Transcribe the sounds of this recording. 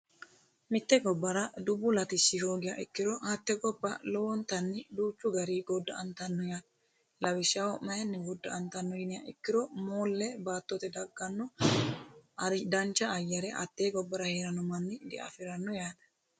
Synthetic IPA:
mɪt̪ːɛɡɔbːɐɾɐd̪ʊbːʊlɐt̪ɪsːɪhoːɡɪjɐʔɪkːɪɾɔhɐt̪ːɛɡɔbːɐlɔwɔnt̪ɐnːɪd̪uːt͡ʃːʊɡɐɾiːɡɔd̪ːɐɐnt̪ɐnːɔjaːᶑ̪ | lɐwɪʃːaːwɔmɐjɐnːɪwɔd̪ːɐɐnt̪ɐnːɔjɪnɪjɐ̰ʔɪkːɪɾɔmoːlːɛbaːt̪ːɔt̪ɛd̪ɐɡːɐnːɔ | ɐɾd̪ɐnt͡ʃːɐːjːɐɾɛʔɐ̰t̪ːeːɡɔbːɐɾɐheːɾɐnɔmɐnːɪd̪ɛ̰ʔɐ̰fɪɾɐnːɔjaːd̪ɐ̥

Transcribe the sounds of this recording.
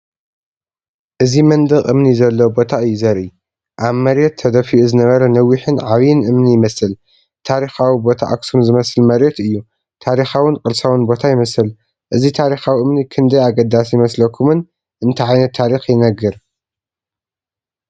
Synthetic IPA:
ʔɨzimɐnd̪ɨɣʼʔɨmnizɐlːɐbo̞t̪ʰaɨjːuzɐɾɨ | ʔaβmɐɾjet̪ʰːɐd̪ɐfiʔuzɨnɐβɐɾɐnɐwːiħɨnʕaβjɨnʔɨmnijɪmɐsɨl | t̪ʰaɾixawibo̞t̪ʰa̰ʔa̰ksumzɨmɐsɨlmɐɾet̪ɨjːu | t̪ʰaɾixawɨnkʼɨlsawɨnbo̞t̪ʰajɪmɐsɨl | ʔɨzit̪ʰaɾixawiʔɨmnikʰɨnd̪ɐjaɡɐd̪asjɪmɐslɐkʰːumɨn | ʔɨnt̪ʰɐʕajnɐt̪ʰːaɾixjɪnɐɡːɨɾ

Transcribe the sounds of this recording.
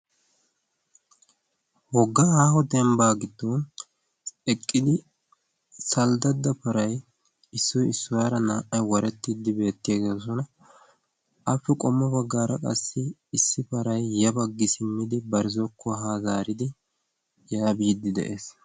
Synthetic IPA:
wɔɡːɐaːhɔd̪ɛmbaːɡɪd̪ːɔn | ɛkʼːɪd̪ɪ | sɐld̪ɐd̪ːɐpɐɾɐj | ɪsːɔjɪsːɔwɾɐnaːʔɐjwɐɾɛt̪ːid̪ɪbe̞ːt̪ːɪjaɡeːs̬ɔnɐ | ɐfːɛkʼɔmːɔbɐɡːaːɾɐkʼɐ̰sːɪːsːɪpɐɾɐjːɐbɐɡːɪsɪmːɪd̪ɪbɐɾɪzɔkʰːɔɦaːzaːɾɪd̪ɪ | jaːbiːd̪ːɪd̪ɛ̰ʔeːs

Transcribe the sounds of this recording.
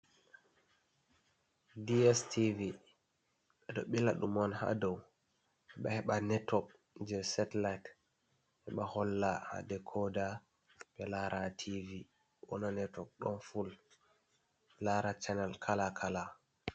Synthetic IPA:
diɛstʰivi | ɓɛɗɔɓilaɗumɔnha̰dɔw | ɛɓahɛɓanɛtɔk̚ | d͡ʒɛsɛtlajt | ɓɛɓahɔlːaha̰dɛkʰɔda | ɓɛlaɾʔatʰivi | wɔ̰nanɛtɔk̚ɗɔnful | laɾat͡ʃɛnalkʰalakʰala

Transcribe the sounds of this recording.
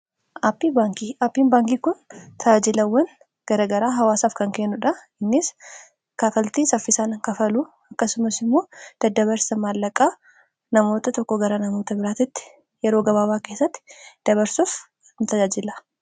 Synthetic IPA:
ʔɐpːibaːŋkiɐpːiːnbaːŋkiːkʊnt̪ʰɐd͡ʒaːd͡ʒɪlɐwːɐn | ɡ̥ɐɾɐɡɐɾaːɦɐwaːsaːfkɐŋkeːnːʊᶑɐ | ɪnːɪs | kaːkɐlt̪iːsɐfːɪsaːnɐŋkɐfɐlu | ɐkːɐsʊmɐsɪmːo̞ːd̪̥ɐd̪ːɐβɐɾsɐmaːlːɐkʼaː | nɐmo̞ːt̪ɐt̪ɔkːɔɡɐɾɐnɐmo̞ːt̪ɐbɪɾaːt̪ɪt̪ːɪ̥ | jɛɾo̞ːɡɐβaːβaːke̞ːsːɐt̪ːɪ̥d̪̥ɐβɐɾsuf | nt̪ɐd͡ʒaːd͡ʒɪlɐ

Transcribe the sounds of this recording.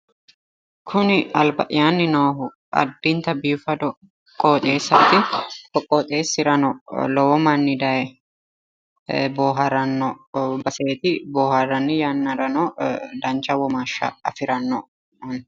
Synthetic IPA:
kʰʊnɪɐlbɐʔɪjanːɪnoːɦʊ | ɐ̰d̪ːɪnt̪ɐbiːfɐd̪ɔ | kʼːoːt̪ʼeːsɐːt̪ɪkɔkʼːoːt̪ʼe̞ːsːɪɾɐnɔlɔwɔmɐnːɪd̪ɐjɛ | boːɦɐɾɐnːɔbɐseːt̪ɪboːhɐɾːɐnːɪjanːɐɾɐnɔd̪ɐnt͡ʃːɐwɔmaːʃːɐ̰ɐ̰fɪɾɐnːɔ

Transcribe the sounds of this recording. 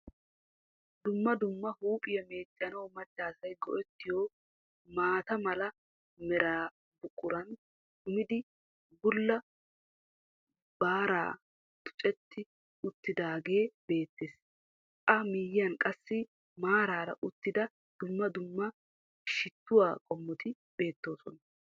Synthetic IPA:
d̪ʊmːɐd̪ʊmːɐhuːpʼɪjɐme̞ːt͡ʃʼːɐnɐwmɐt͡ʃːaːsɐjɡɔ̰ʔɛt̪ːɪjoː | maːt̪ɐmɐlɐ | mɛɾaː | bʊkʼːʊɾɐn | dʊmɪd̪ɪ | ɡʊlːɐ | baːɾa̰ː | t̪ʊ̥t͡ʃʼɛt̪ːɪ | ʊt̪ːɪd̪aːɡe̞ːbe̞ːt̪ːeːs | ɐmɪːjɪɐnkʼɐsːɪ | maːɾaːɾɐ̰ʔʊt̪ːɪd̪ɐ | d̪̥ʊmːɐd̪ʊmːɐ | ʃɪt̪ːʊwaːkʼɔmːɔt̪ɪ | be̞ːt̪ːo̞ːsɔnɐ

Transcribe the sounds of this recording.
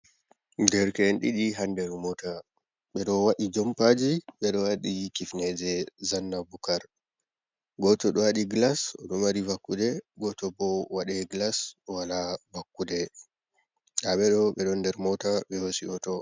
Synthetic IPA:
dɛɾkɛnɗiɗiɦandɛɾmɔta | ɓɛɗɔwaɗid͡ʒɔmpad͡ʒiɓɛɗɔwaɗikifnɛd͡ʒɛzanːabukaɾ | ɡɔtɔɗɔwaɗiɡlasɔ̰ɗɔmaɾivakːudɛɡɔtɔbɔwaɗɛɡlaswalavakːudɛ | ɗaɓɛɗɔɓɛɗɔndɛɾmɔtaɓɛhosiɔtɔ

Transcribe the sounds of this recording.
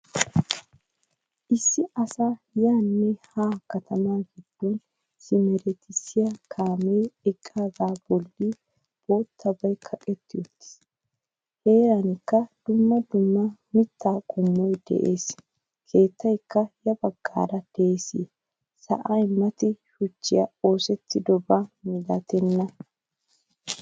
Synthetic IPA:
ʔɪsːɪʔɐsa | jaːnːɛhaːkɐt̪ʰɐmaːɡɪd̪̥ːɔn | sɪmɛɾɛt̪ɪsɪjɐkʰaːmejɪkʼːaːd̪aːb̥ɔlːi | bo̞ːt̪ʰːɐbɐjkʰɐkʼɛt̪ːɪjɔt̪ːɪ̥s | he̞ːɾɐnɪkːɐd̪̥ʊmːɐd̪ʊmːɐmɪt̪ːaːkʼʊmːɔjd̪ɛ̰ʔeːs | kʰe̞ːt̪ːɐjkːɐjɐbɐɡ̥ːa̰ːɾɐd̪̥eeːsiː | sɐ̰ʔɐjmɐt̪ɪʃʊt͡ʃːɪjɐo̞ːsɛt̪ːɪd̪ɔbɐmɪlɐt̪ɛnːɐ

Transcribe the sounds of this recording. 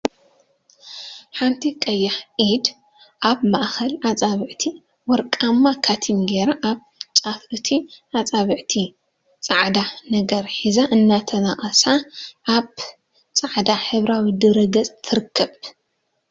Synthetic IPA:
ħant̪ʰikʼɐjːaħʔid̪ | ʔaβmaʔxɐlʔat͡sʼaβɨʕt̪ʰi | wɔɾkʼamːakʰat̪ʰimɡeɾaʔaβ | t͡sʼafʕɨt̪ʰiʔat͡sʼaβɨʕt̪ʰi | t͡sʼaʕd̪anɐɡɐɾħizaʔɨnːat̪ʰɐnaχʼɐsaʔaβ | t͡sʼaʕd̪aħɨβɾawid̪ɨɾɐɡɐt͡sʼt̪ʰɨɾɨkʰːɐβ

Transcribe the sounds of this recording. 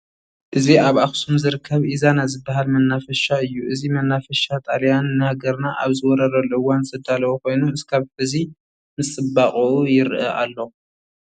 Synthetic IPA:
ʔɨziʔaβaxsumzɨɾɨkʰːɐβʔizanazɨbːaɦalmɐnːafɐʃaɨjːuʔɨzimɐnːafɐʃat̪ʼaljanːɨhaɡɐɾnaʔaβzɨwɔɾɐɾɐlʔɨwːanzʰɐd̪alɐwoko̞jnuɨskʰaβħɨzi | mɨsʼɨbaχʼuujɪɾʔɐʔa̰lːo̞

